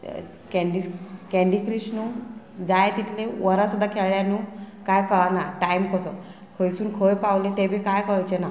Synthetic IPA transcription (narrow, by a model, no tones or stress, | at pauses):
kɛɳɖikɛ̃ɳɖikɾisnuː | d͡zajt̪it̪ʰleʋəɾasud̪ʱːakʰeɭɭjanuːkajkəɭanaʈajmkəsɔ | kʰəjsuːnkʰəjpawlet̪ebʱiːkajkəɭjt͡ɕena